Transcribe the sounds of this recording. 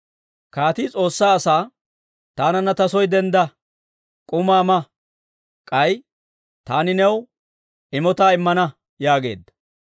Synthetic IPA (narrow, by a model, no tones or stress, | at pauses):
kaːt̪ɪt͡sʼo̞ːsːaːɐsaː | t̪aːnɐnːɐt̪ɐsɔjd̪ɛnd̪ɐ | kʼʊmaːmɐ | kʼɐj | t̪aːnɪnɛw | ɪmɔt̪aːɪmːɐnɐ | jaːɡe̞̰ːd̪ːɐ̥